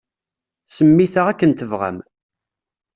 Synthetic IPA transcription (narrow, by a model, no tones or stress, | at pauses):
səmːiθaʁækːənt̪əvʁæ̰m